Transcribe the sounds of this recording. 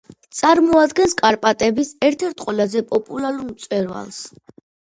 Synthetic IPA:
t̪sʼaɾmɔad̪ɡɛnskʼaɾpʼat̪ʼɛbisɛɾt̪ʰɛɾt̪ʰqʼwɛlazɛpʼɔpʼulaɾuɾmt̪sʼwɛɾva̰lˠs

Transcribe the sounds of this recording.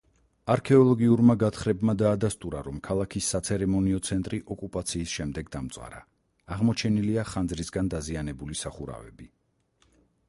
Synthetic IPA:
aɾkʰɛɔlˠɔɡiuɾmaɡat̪ʰχɾɛbmad̪aːd̪ast̪ʼuɾaɾɔmkʰalˠakʰisːat̪sʰɛɾɛmɔniɔt̪sʰɛnt̪ʼɾiʔɔkʼupʼat̪sʰiːsʃɛmd̪ɛɡd̪amt̪sʼa̰ɾa̰ | aʁmɔt͡ʃʰɛniliaχand̪zɾisɡand̪azianɛbulisaχuɾa̰vɛ̰bi

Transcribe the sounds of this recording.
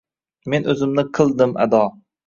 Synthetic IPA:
menʔɵzɪmnɪqʰɨlˠd̪ɪma̰d̪ɒ

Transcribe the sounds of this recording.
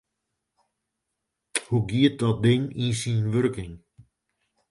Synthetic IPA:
huɡiət̚dɔt̚dɪŋinsinʋørkɪŋ

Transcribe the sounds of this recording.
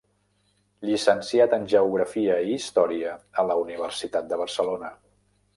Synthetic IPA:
ʎisənsiat̪ənʲʒəuɣɾəfiəiːst̪ɔɾiəələuniβ̞ərsit̪at̪̚d̪əβ̞ərsəlonə

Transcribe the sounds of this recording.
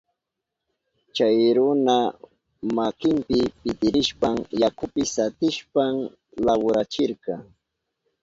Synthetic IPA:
t͡ʃajɾʊna | makɪmpɪpɪt̪ɪɾɪʃpaŋjakʊpɪsat̪ɪʃpam | lawʊɾat͡ʃɪɾkɑ

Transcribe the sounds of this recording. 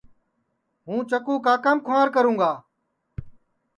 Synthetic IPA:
ɦũːt͡ʃəkuːkaːkəmkʰʊãːɾkəɾũːɡaː

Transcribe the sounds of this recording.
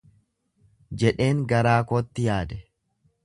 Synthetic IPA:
d͡ʒɛᶑe̞ːŋɡɐɾaːkoːt̪ːɪjaːd̪ɛ

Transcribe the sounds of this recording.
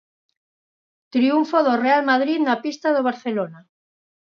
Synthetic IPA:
t̪ɾiuɱfoðorealmaðɾiðnapist̪aðoβ̞aɾθelona

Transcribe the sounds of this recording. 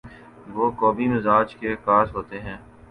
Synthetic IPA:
ʋoːkɔːbimɪzaːd͡ʒkekaːsɦoːt̪eɦɛ̃ː

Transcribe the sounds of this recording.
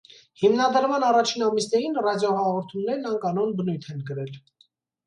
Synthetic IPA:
himnɑd̪əɾmɑnɑrɑt͡ʃʰinɑmisnɛɾinrɑdjɔhɑʁɔɾt̪ʰumnɛɾnɑŋkɑnɔnbənujt̪ʰɛnkəɾɛl

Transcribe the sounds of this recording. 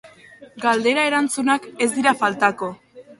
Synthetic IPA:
ɡald̪e̞ɾaeɾant͡sunake̞zd̪iɾafalt̪ako̞

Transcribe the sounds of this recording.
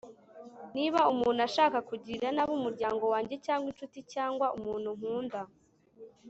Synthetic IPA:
niβaumuːnuaʃaːkakuɟiɾanaβumuɾɟaːŋɡo̞waːɲɟe̞caːŋɡwint͡ʃuticaːŋɡwaʔumuːnhuŋ̥huːnda

